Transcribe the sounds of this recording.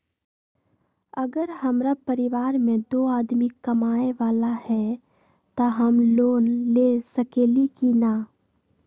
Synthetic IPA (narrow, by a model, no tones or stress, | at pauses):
ɐɡəɾɦɐmɾapɐɾɪʋaːɾmẽd̪oːaːd̪mikɐmaːeʋaːlahɛ | t̪aɦɐmloːnleːsɐkeːlikinaː